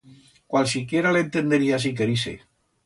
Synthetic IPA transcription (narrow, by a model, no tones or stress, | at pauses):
kwalsikjeɾalent̪end̪eɾias̬ik̬eɾisḛ